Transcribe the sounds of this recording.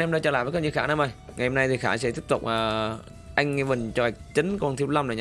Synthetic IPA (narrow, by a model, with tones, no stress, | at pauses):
ɛ˧mɗaː˧t͡ɕəː˧˩laː˧˨jvːk̚ːɲi˧˨˩xaː˧˥na˧mʔə˨˩jŋa˨˩jho˧na˧jt̪ʰi˨˩xaː˧˩sɛ̰˧˥t̪i˦˥əp̚t̪ʊ˨˩k͡p̚ʔəː˨˩ | ʔa˧jŋ̟ŋɛ˧vɨ˨˩nt͡ɕɔ˧a˨˩k̚t͡ɕï˨˦ŋ̟kɔ˧nt̪ʰi˧wla˧wmɗə˨˩ɲa˧